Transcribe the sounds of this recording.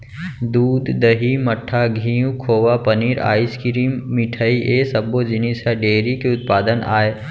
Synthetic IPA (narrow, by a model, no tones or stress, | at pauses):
d̪uːd̪ːəɦimɐʈʰːaɡʱĩːjũkʰoːʋapɐniːɾa̰ːɪskiɾimːɪʈʰaːiʔeːsɐbod͡ʒɪnisaɖeːɾikeʊt̪̚paːd̪əna̰ːeː